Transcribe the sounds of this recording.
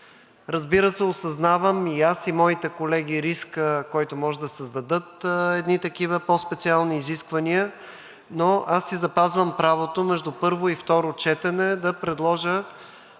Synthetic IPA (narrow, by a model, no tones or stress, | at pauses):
ɾɐzbiɾəsɛosɐznavəmiasimɔit̪ɛkolɛɡ̟ʲiɾiskəkɔjt̪omɔʒɛd̪ɐsəzd̪ɐd̪ɤt̪ɛd̪nit̪ɐkivəpɔspɛt̪sialˠniːziskvɐniə | noʔasːizɐpazvəmpɾavot̪omɛʒd̪upɤɾvoift̪ɔɾot͡ʃɛt̪ɛnɛd̪ɐpɾɛd̪lˠɔʒə